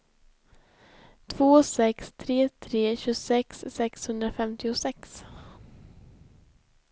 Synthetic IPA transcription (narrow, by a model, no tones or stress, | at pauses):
t̪ʰvoːsɛkst̪ʰɾeːt̪ʰɾeːɕɵsɛksːɛkshɵnd̪ɾafɛmt̪ɪʊsɛks